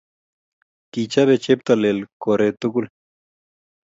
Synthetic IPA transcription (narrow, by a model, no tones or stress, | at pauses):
kit͡ʃaβet͡ʃep̚t̪alelkoɾet̪ukul